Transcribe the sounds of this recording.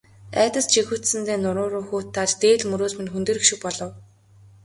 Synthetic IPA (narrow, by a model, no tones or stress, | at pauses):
æːt̪ə̆st͡ɕʰixŭt̪sɘ̆nt̪eːnʊɾʊːɾʊːxuːt̪ʰːaːt͡ɕt̪eːɮmɵɾoːsmɘnxunt̪eːɾĭkʃɪ̆k̚pɔɮɞ̆w